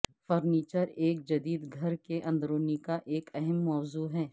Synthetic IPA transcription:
fɐɾniːt͡ʃəɾeːk̚d͡ʒɐd̪iːd̪ɡʱɐɾkeʔɐ̃nd̪ɾoːnikaʔeːkɛɦɛmːɔːzuːɦɛː

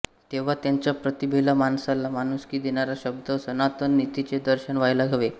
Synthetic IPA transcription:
t̪eʋ̤at̪jaɲt͡ɕjapɾət̪ibʱelamansalamanuskiːd̪eɳaɾaɕəbd̪əsənat̪ənːit̪it͡sed̪əɾɕəɳʋajlaɡʱəʋe

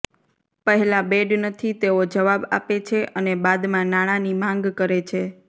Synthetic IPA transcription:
pəɦɛlabeɖnət̪ʰit̪eod͡ʒəʋaba̰pet͡ʃʰeʔənebad̪mãnaɽ̃ãnimãŋɡkəɾet͡ʃʰe

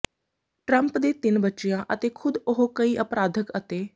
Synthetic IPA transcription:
ʈɾəmpd̪et̪inbətːʃjãʔət̪ekʰud̪oɦokəiːʔəpɾad̪ʱəkət̪e

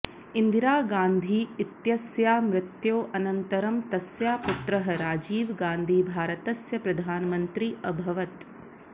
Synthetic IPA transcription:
ind̪ʱiɾaːɡaːnd̪ʱiːit̪jɐsjaːmɾɪt̪joːʔɐnɐnt̪ɐɾɐmt̪ɐsjaːput̪ɾɐɦɐɾaːd͡ʒiːʋɡaːnd̪ʱiːbʱaːɾɐt̪ɐsjɐpɾɐd̪ʱaːnɐmɐnt̪ɾiɐbʱɐʋɐt̪

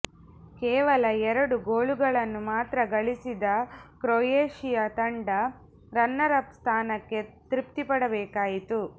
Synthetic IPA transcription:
kɛːʋɐlɐɛɾɐɽuɡoːɭuɡɐɭɐnːumaːt̪ɾɐɡɐɭisid̪ɐkɾojeːʂijɐt̪ɐɳɖɐ | ɾɐnːɐɾɐpst̪ʰaːnɐkːe̞t̪ɾip̚t̪ipɐɽɐbɛːkaːjit̪u

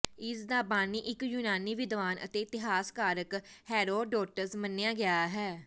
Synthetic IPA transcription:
ɪsd̪aːpaːniːʔɪkjʊnaːniːʋɪd̪ʋaːnʔə̰t̪eːɪt̪ɪɦaːskaːɾək | hɛːɾoːɖɔːʈəɾsmənːejãːɡɪaːɦɛː

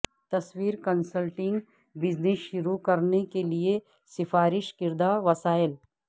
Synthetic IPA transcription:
t̪ɐswiːɾkɐnsəlʈɪ̃ŋɡ | bɪd͡ʒnesʃʊɾukɐɾnekelie | sɪfaːɾɪʃkɪɾd̪aʋɐsaːɪl

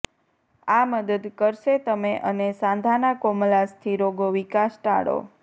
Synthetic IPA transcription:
aməd̪əd̪kəɾʃet̪əmeʔənesãnd̪ʱanakomlast̪ʰiɾoɡoʋikasʈa̰ɽo̰

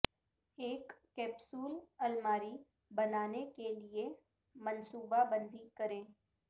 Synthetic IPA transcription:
eːkːɛːbsuːlɐlmaːɾi | bɐnaːnekelie | mɐ̃nsuːbabə̃nd̪ʱikɐɾẽː

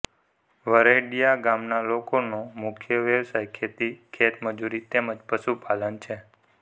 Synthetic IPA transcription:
ʋəɾeɖijaɡamnalokonomʊkʰjəʋeʋsajkʰet̪ikʰet̪məd͡ʒuɾit̪eməd͡ʒpəʃupalənt͡ʃʰe

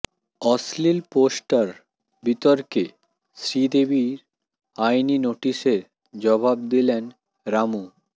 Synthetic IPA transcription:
ɔslilposʈaɾ | bit̪oɾke | sɾid̪ebiɾ | ajninoʈiʃeɾ | d͡ʑɔbabd̪ilen | ɾamu

